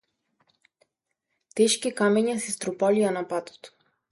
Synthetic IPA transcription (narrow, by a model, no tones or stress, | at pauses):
t̪ɛʃkikamɛɲasist̪ɾupalianapat̪ɔ̥t̪